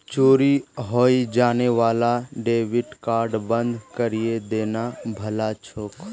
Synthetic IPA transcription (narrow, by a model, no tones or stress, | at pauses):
t͡ʃoːɾiɦoːid͡ʒaːneʋaːlaɖeːʋɪʈkaːɾɖbə̃nd̪ʱkəɾijed̪eːnabʱəlat͡ʃʰoːk